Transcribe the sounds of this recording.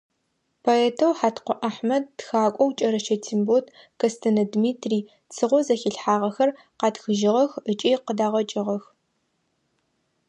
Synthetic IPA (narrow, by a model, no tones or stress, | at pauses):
pʰoɛːtʰɐwħaːtqʷɔʔaħmɐd̚ːxaːkʷʼɔwt͡ʃʼɐɾɐʃɐtʰimbotʰ | kʰɐstʰɐnɐdmiːtʰriː | t͡sʰɨʁʷɔzɐxɪɬħaːʁɐxɐr | qɑːtxɨʒɪʁɐxət͡ʃʼiːqədaːʁɐt͡ʃʼɪʁɐx